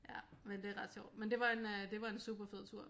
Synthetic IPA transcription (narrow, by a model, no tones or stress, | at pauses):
jæmend̥e̝ʁɑ̈d̥ɕjɒʊ̰d̥mend̥e̝ʋɑ̈e̝nd̥e̝ʋɑ̈e̝nsṵːb̥ɐfeð̰ˠt͡sʰuɐ̰